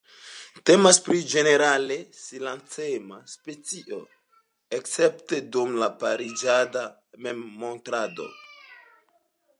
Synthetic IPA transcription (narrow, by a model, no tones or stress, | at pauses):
te̞maspɾid͡ʒe̞ne̞ɾale̞silant͡semaspe̞t͡siʔo̞̰ | ekt͡se̞pte̞dumlapaɾid͡ʒadame̞mːo̞ntɾado̞̰